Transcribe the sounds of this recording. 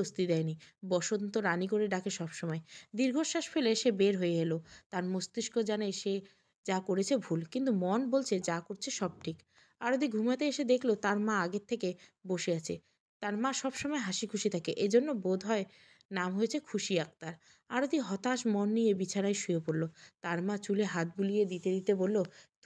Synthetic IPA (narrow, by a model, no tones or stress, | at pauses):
ost̪id̪ɛenibɔʃont̪oɾanik̬oɾeɖakeʃɔbʃɔmɔed̪iɾɡʱoʃaʃfʰeleʃebeɾɦojeɦelot̪aɾmost̪iʃkod͡ʑaneʃe | d͡ʑakoɾet͡ɕʰebʱulkint̪umɔnbolt͡ɕʰed͡ʑakoɾt͡ɕʰeʃɔb̚ʈʰik | aɾod̪iɡʱumat̪eeʃed̪ekʰlot̪aɾmãaɡett̪ʰːekeboʃeat͡ɕʰe | t̪aɾmãʃɔbʃɔmɔeɦaʃikʰuʃit̪ʰakeʔed͡ʑonːobod̪ʱɔe | namɦojet͡ɕʰekʰuʃiak̚t̪aɾ | aɾod̪iɦɔt̪aʃmɔnːijebit͡ɕʰaɾajʃujepoɾlot̪aɾmãt͡ɕuleɦat̪̚bulijed̪it̪ed̪it̪ebolːo